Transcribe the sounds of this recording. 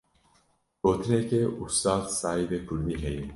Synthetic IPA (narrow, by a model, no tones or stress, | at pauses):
oːt̪ʰnekeust̪aːd̪saːid̪epuɾd̪iɦejn